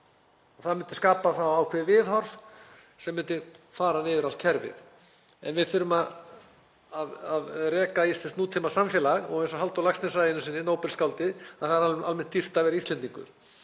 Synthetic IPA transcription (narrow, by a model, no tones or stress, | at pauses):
ɔθaðmʏnt̪ɪ̥skaːpaθawaːwkʰvɛːðɪvɪðhɔɾv | sɛmːʏnt̪ʏfaːɾanɪːvʏɾalt̪̚cʰɛɾvɪ̰ð | ɛnvɪðfʏɾʏmað | aðaðrɛːkaist̪lɛnst̪nuːt̪ʰɪmasamfjɛːlaɣɔ̰ɣẽjnsɔɦalt̪awlaksnɛsajɪnʏsɪnːɪnoːwpɛlskawlt̪ɪaθaɾaalmɛn̥t̪ːir̥t̪avɛːɾaist̪ɛnt̪iŋkʏ̰ɾ̥